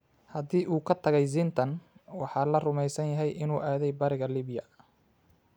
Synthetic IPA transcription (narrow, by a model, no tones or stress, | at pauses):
hɐðiːʔuːkʰɐt̪ʰɐɣɛjz̬ɪnt̪ʰɐnwɑħɑːlɐrʊmɛjsɐnjɐɦɛjʔɪnuːʔaːðɛjbɐɾɪɣɐliːbɪjɐ̰